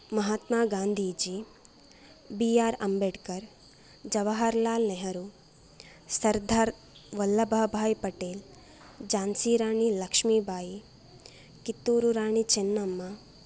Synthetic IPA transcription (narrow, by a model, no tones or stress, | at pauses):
mɐɦaːt̪maːɡaːnd̪ʱiːd͡ʒi | bijaːɾɐmbeɖkɐɾ | d͡ʒɐʋɐɦaɾlaːlneɦɐɾu | sɐɾd̪ʱaːɾ | ʋɐlːɐbʱɐbʱaːjpɐʈeːl | d͡ʒaːnsiːɾaːɳilɐkʂmiːbʱaːji | kit̪ːuːɾuɾaːɳit͡ʃenːɐmːɐ